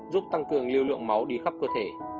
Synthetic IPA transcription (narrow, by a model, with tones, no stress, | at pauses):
zu˦˥p̚t̪a˧ŋkɨ˨˩əŋli˧əwlɨ̰˧˨əŋma˨˦wɗi˧xa˦˥p̚kɨ˧t̪ʰe˧˩